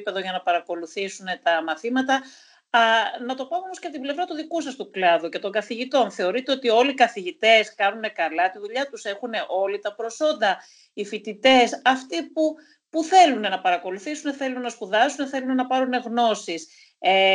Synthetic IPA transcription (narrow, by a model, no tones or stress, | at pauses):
pe̞ðo̞ʝɐnɐpɐɾɐko̞luθisune̞t̪ɐmɐθimɐt̪ɐ | nɐt̪o̞pɐmeomosceɐt̪ible̞vɾɐt̪uðikusɐst̪uklɐðuce̞t̪o̞ŋɡɐθiʝit̪o̞nθe̞o̞ɾit̪e̞ot̪io̞likɐθiʝit̪e̞skɐnune̞kɐlɐt̪iðuʎɐt̪use̞xune̞ʔo̞lit̪ɐpɾo̞so̞nd̪ɐ | ifit̪it̪e̞sɐft̪ipu | puθe̞lune̞nɐpɐɾɐko̞luθisune̞θe̞lunenɐspuðɐsune̞θe̞lune̞nɐpɐɾune̞ɣno̞sis | e